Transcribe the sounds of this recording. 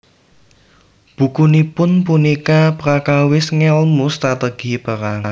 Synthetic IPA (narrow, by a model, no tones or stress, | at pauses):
b̥ṳkunipʊnpunikapɾakawɪsŋɛlmust̪ɾat̪əɡ̥i̤pəɾana